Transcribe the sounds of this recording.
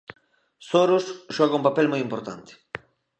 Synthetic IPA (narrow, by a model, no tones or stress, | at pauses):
soɾusʃɔɣɐũmpapelmojimpoɾt̪ant̪ɪ̥